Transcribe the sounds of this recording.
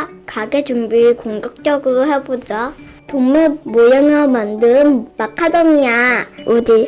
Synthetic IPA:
kaɡet͡ɕumbikoŋɡʌk̚t͡ɕ͈jʌɡɯɾoɦebod͡ʑʌ | toŋmɯmojʌŋʌmandɯnːakʰadomiaodi

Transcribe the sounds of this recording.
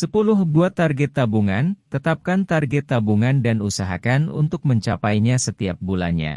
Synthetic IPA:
səpulʊhbuat̪ːarɡɛt̪ːabuŋant̪ət̪ap̚kant̪arɡɛt̪ːabuŋandanusaɦa̰kanṵnt̪ʊk̚məɲt͡ʃapajɲasət̪iap̚bula̰nɲa̰

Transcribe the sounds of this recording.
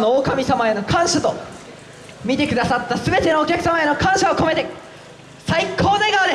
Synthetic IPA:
noːkamʲisamae̞no̞kʰãɰ̃ɕat̪o̞ | mʲit̪e̞kɯ̟d̪asat̪ːasɨbe̞t̪e̞noːkʲakɯ̟samae̞no̞kãɰ̃ɕaoko̞me̞t̪e̞ | saikʰo̞ːd̪aiɡaod̪e

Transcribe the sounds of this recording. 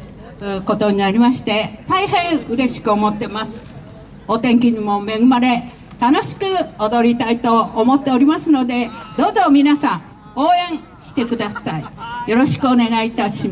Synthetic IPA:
ko̞t̪o̞ɲ̟inaɾʲimaɕi̥t̪e̞t̪aiɦẽ̞ɰ̃ɯ̟ɾe̞ɕi̥kɯ̟o̞mo̞t̪ːe̞masɨ̥ | ot̪ẽ̞ŋk̬ʲiɲ̟imo̞me̞ɡɯ̟maɾe̞ | t̪ano̞ɕi̥kɯ̟od̪o̞ɾʲit̪ait̪o̞ːmo̞t̪ːe̞o̞ɾʲimasɨno̞d̪e̞d̪o̞ːzo̞mʲinasã | o̞ːẽ̞ɰ̃ | ɕi̥t̪e̞kɯ̟d̪asaijo̞ɾo̞ɕi̥kɯone̞ɡait̪aɕi

